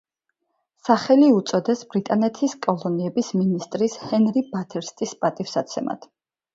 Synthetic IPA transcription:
saχɛliut̪sʼɔd̪ɛsbɾit̪ʼanɛt̪ʰiskʼɔlˠɔniɛbisminist̪ʼɾishɛnɾibat̪ʰɛɾst̪ʼispʼat̪ʼifsat̪sʰɛma̰t̪ʰ

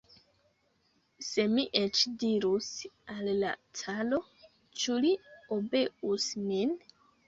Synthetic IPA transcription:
se̞miʔet͡ʃdiɾusalːa̰tʰalo̞ | t͡ʃuliobe̞ʔusmin

